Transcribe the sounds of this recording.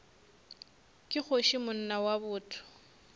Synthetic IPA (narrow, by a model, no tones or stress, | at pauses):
kʼɪk͡xoʃɪmʊn̩nawabʊːtʰʊ̥